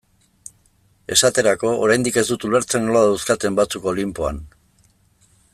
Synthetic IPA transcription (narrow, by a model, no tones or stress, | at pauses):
e̞sat̪e̞ɾako̞ʔo̰ɾajnd̪ike̞zd̪ut̪ule̞ɾt͡se̞ŋɡloaðawskat̪e̞mbat͡suko̞limpo̞a̰n